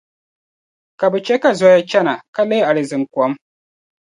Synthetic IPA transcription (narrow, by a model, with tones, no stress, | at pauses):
ka˨bɛ˨t͡ʃɛ˦ka˦zɔ˦ja˦t͡ʃɛ˦na˨ka˦lɛ˦a˨lɨ˨zɨ˨ŋ˨ka˨˦m